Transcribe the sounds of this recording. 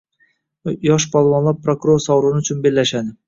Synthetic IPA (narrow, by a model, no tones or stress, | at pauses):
jɒʃ̬pʰɒlˠvɒnlˠaɾpʰɾokuɾoɾsɒwɾʊnɪʊt͡ʃʰʊnbe̞lːaʃad̪ɪ